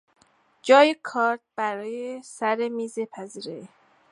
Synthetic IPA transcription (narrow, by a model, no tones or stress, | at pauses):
d͡ʒɒːjekʰɒːɾd̪̚b̥æɾɒːjesæɾemiːzepʰæziːɾe